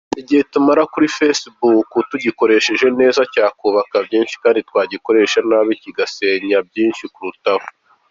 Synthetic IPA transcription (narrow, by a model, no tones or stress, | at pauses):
iɟihe̞tumaɾakuɾifesbukutuɟiko̞ɾe̞ʃe̞ʒe̞ne̞ːzacaːkuːβakabjiːnʃi̥kaːnditkwaːɟiko̞ɾe̞ʃanaβiciɡase̞ːɲabjiːnʃikuɾutaho̥